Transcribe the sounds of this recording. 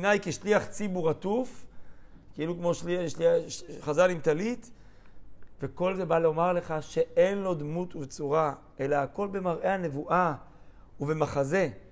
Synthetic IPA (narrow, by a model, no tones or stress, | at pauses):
najkeʃliaχt͡sibuʁatuf | keilukmo̞ʃliʃliχazalimt̪alit̪ | ve̞ko̞lze̞baleomaʁle̞χaʃe̞e̞nlo̞d̪mutuvt͡suʁa | e̞laːko̞lbe̞maʁʔe̞hane̞vuʔa | uve̞maχaze̞